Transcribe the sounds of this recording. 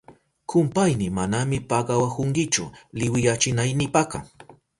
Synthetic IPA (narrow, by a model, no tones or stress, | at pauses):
kʰʊmpajnɪmanamɪpɑɢɑwakʊŋkɪt͡ʃʊ̰lɪwɪjat͡ʃɪnajnɪpakɑ̰